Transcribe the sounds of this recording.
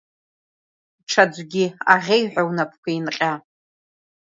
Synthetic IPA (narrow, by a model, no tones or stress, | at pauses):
ʈ͡ʂʰad͡zʷɡʲiaʁʲejħᶣʷawnapʰkʷʰainqʲʼa